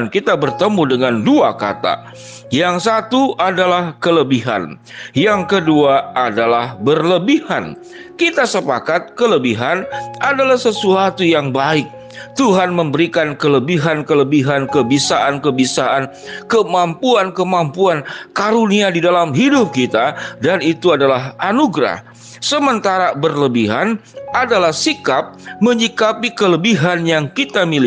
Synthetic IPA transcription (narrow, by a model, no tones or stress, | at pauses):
nkit̪abərt̪əmudəŋanduaka̰t̪a̰ | jaŋsat̪uʔadalahkələbiɦa̰n | jaŋkəduaʔadalahbərləbiha̰n | kit̪asəpakat̪̚kələbiɦanadalahsəsuat̪ujaŋbaɪk̚ | t̪uɦanməmbəɾikankələbiɦankələbiɦankəbisaʔankəbisaʔan | kəmampuankəmampuankaɾuniadidalamɦidʊp̚kit̪adanit̪uadalaɦanuɡɾa̰h | səmənt̪aɾabərləbiɦanadalahsikap̚məɲikapikələbiɦanjaŋkit̪amili